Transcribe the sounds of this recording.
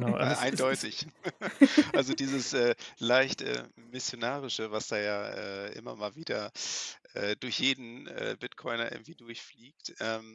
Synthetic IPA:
nʔa̰ɪndɔʏtɪç | ʔalzodiːzəsʔɛːlaɪçtʔɛ̰ːmɪsjonaːʁɪʃəvasd̥aːjaːʔɛ̰ːʔɪ̰mɐ̰maːlviːdɐʔʔɛːd̥ʊɐçjeːdn̩ʔɛ̰ːbɪtkʰɔʏnɐʔɪ̰ɡŋ̩tv̥iːdʊɐçfliːk̚tʔɛːm

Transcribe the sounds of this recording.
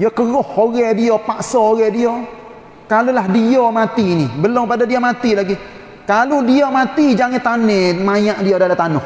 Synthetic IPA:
jɔkəɣʊhoɣɛdiɔpaʔsɔoɣɛdio | kalulahdiɔmat̪inibəlɔŋpadadiamat̪ilaɡi | kaludiɔmat̪id͡ʒaŋɛt̪anɛmajaʔdiodalat̪anʊh

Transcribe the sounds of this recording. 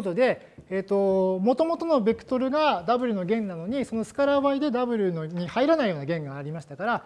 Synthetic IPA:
t̪od̪e̞ | eːt̪ːo̞mo̞t̪o̞mo̞t̪o̞no̞be̞kɯ̟̥t̪o̞ɾɯ̟ɡad̪abɯ̟ɾɯ̟no̞ɡẽ̞nːano̞ɲ̟iso̞no̞sɨ̥kaɾaβaid̪e̞d̪abɯ̟ɾɯ̟noɲ̟ihaiɾanaijo̞ːnaɡẽ̞ŋɡaːɾʲimaɕi̥t̪akaɾa

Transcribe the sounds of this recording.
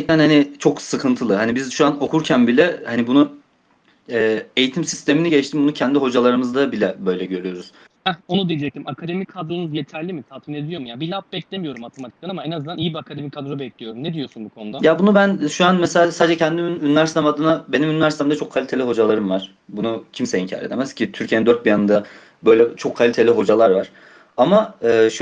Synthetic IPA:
ɛc̚t̪ænhanit͡ʃʰo̞ksɯkʰɯnt̪ʰɯlˠɯɦanibizʃuano̞kʰuɾcʰænbilʲɛhanibunu | ɛːe̞jit̪ʰimsi̥st̪ʰe̞miniɟɛt͡ʃt̪ʰimbunucʰɛnd̪iɦo̞d͡ʒalˠaɾɯmɯzd̪abilʲɛbø̞jlʲɛɟø̞ɾyjo̞ɾuz̥ | ɛonub̪ilʲid͡ʒɛc̚t̪ʰimakʰad̪e̞mikʰad̪ɾonuzjeet̪ʰæɾlʲimit̪ʰat̪mined̪ʲijo̞mujabilʲap̚bɛclʲe̞mijo̞ɾumat̪ʰemat̪ʰi̥k̪t̪ʲanamaenazɯnd̪anijibiakʰad̪e̞mikʰad̪ɾobɛclʲijo̞ɾumned̪ijo̞sunbukʰo̞nud̪ajabunubænʃuanmɛseasad̪d͡ʒɛcʰɛnd̪imynynvʲæɾsɛmad̪ɯnabe̞nimynlʲæɾsɛmd̪at͡ʃʰo̞kʰːalʲit̪ʰe̞lʲiɦo̞d͡ʒalˠaɾɯmvaɾ̥ | bunucʰimsɛiɲcʰa̰ːɾed̪e̞mɛscʰit̪ʰyɾcʰienind̪øɾt̪̚bijanɯnd̪a | bø̞jlʲɛt͡ʃʰo̞kʰːalʲit̪ʰelʲiɦo̞d͡ʒalˠaɾvaɾ̥ | amaɯːʃ

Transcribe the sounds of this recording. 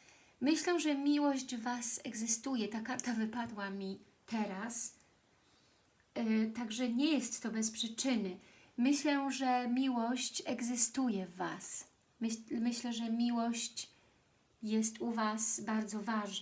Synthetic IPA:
mɘɕlɛʐɛmʲiwɔʑd͡ʑvasɛɡzɘst̪ujɛt̪akaɾt̪avɘpad̪wamʲi | t̪ɛɾas | t̪aɡʐɛɲɛjɛst̪ːɔbɛspʂɘt͡ʂɘnɘ | mɘɕlɛʐɛmʲiwɔɕt͡ɕɛɡzɘst̪ujɛvːa̰s | mmɘɕlɛʐɛmʲiwɔɕt͡ɕ | jɛst̪uvasbaɾd̪zɔvaʐn

